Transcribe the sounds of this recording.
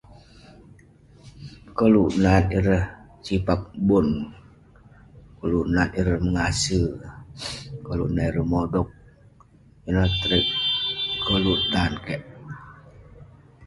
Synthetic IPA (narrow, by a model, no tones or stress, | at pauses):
kəluʔnaniɾəh | t͡ʃipak̚bʊn | kəlunaniɾəhməŋasə | kəlṵnaiɾəhmodɔk̚ | iɾəht̪ɾɪkkːəlunankɛʔ